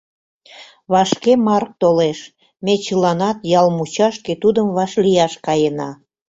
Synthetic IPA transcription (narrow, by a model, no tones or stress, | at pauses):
βɑʃkemɑrk̚t̪oleʃ | met͡ɕəlɑnɑt̪jɑlmut͡ɕɑʃket̪ud̪əmβɑʃlijɑʃkɑjənɑ